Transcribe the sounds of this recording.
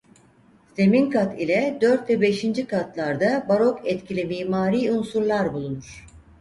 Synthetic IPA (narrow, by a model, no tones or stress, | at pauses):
se̞minkʰat̪ʰilʲɛd̪øɾt̪vɛbe̞ʃind͡ʒikʰat̪lˠaɾd̪abaɾo̞kʰɛt̪cʰilʲimiːmaːɾiːunsuɾlˠaɾbulˠunuɾ̥